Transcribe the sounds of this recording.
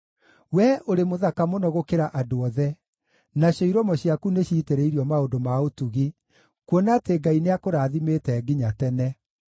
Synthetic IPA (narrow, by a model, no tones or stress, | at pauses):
wɛʔoɾemoðakamonɔɣokeɾaʔadoɔðɛ | naɕjɔiɾɔmɔɕiakuneɕiːteɾeiɾiɔmaondomaotuɣi | kwɔnateɡaineakoɾaːðimeːtɛːɡiɲatɛnɛ